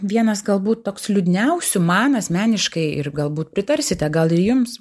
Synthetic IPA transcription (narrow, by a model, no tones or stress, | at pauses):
ʋʲiɛnɐsɡɐlˠbuːt̪toːkslʲʊd̪ʲɪnʲɛʊsʲʊmɑːnɐsmʲæːnʲɪʃkɐɪɪrɡɐlˠbuːt̪pʲɾʲɪt̪ɐrʲsʲɪt̪ʲɛɡɐlˠɪjʊms